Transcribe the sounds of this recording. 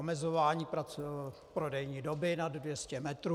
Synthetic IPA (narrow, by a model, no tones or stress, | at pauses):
omɛzovaːɲiːpɾat͡su | pɾo̞dɛjɲiːdo̞bɪnaddvjɛscɛmɛt̪ɾu